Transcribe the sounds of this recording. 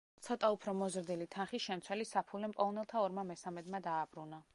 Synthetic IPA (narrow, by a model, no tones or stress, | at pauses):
t̪sʰɔt̪ʼaupʰɾɔmɔzɾd̪ilit̪ʰanχisʃɛmt̪sʰwɛlisapʰulɛmpʼɔnɛlˠt̪ʰaɔɾmamɛsamɛd̪mad̪aːbɾuna